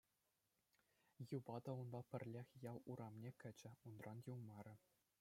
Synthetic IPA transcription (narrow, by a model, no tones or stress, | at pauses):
jubɑd̪ɑunbɑpʲɘ̆rʲlʲexʲjɑlˠuɾɑmnʲekʲɘ̆d͡ʑɘ̆unrɑnjuwmɑɾʲɘ̆